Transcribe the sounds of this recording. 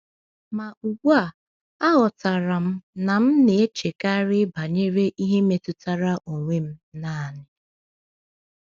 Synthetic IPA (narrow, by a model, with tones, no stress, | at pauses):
ma˨u˨ɡʷa˨ | a˦ɦʊ˨ta˨ɾa˨m̩˦na˨m̩˦ne˨e˦t͡ʃe˨ka˦ɾɪ˦ba˨ɲe˦ɾe˦ʔi˦ɦe˦me˨tʊ˦ta˦ɾa˦ʔo˨ŋʷe˦m̩˦na˦˨a˨nɪ˦